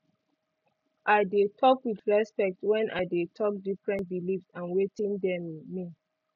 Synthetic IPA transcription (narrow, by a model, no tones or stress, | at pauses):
ʔaɪdetʰɔkwitɹɛspɛk̚twɛ̃nʔaɪdetʰɔk̚difɹɛ̃nt̚bilifsãnwetĩndɛmmĩ